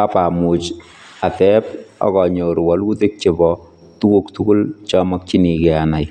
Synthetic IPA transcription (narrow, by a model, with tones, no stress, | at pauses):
a˦pa˨mu˨t͡ʃ | a˨tɛ˦pɔ̰˨kɔ˨ɲo˨ɾwɔ˦lu˦te˦k̚t͡ʃɪ˨bɔ | tu˦ku˦ktu˦ku˦lt͡ʃɔ˦mɔ˦k̚t͡ʃi˦ni˨kɛ˨a˨na˨j